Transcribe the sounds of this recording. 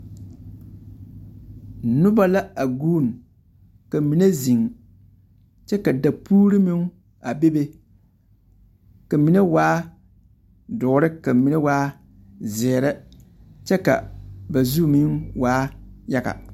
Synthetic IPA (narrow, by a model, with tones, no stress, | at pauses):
nʊ˦ba˦la˦a˨ɡuː˦˨n˨ | ka˨mi˨ne˦zi˨ŋ | t͡ʃɛ˦ka˨da˨puː˦ɾɪ˦mɪ˦ŋ˦ | a˨be˦be˦ | ka˨mi˨ne˦waː˦ | dʊ˨˦ɾɪ˦ka˨mi˨ne˦waː˦ | zɛ˨ɾɛ˦ | t͡ʃɛ˦ka̰˨ba˨zu˦˨mi˦nwaː˦ja˦ɡa̰˨